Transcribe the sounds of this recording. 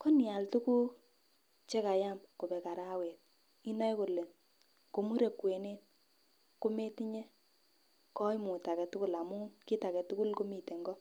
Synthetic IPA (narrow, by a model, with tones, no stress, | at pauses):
ko˦nja˨ltu˦ku˦ | t͡ʃe˦ka˨ja˦mko˨pɛ˨ka˨ɾa˦we˨t̚ | i˦na˦jko˨le˨n | ko˨mu˦ɾe˨kwe˨ne˦t̚ | ko˦me˦ti˦ɲe˦ | kɔ˦jmu˨ta˨kɛ˨tu˦ku˦la˨mu˦ki˦ta˨kɛ˨tu˦ku˦lko˦mi˨te˨ŋɡɔ˦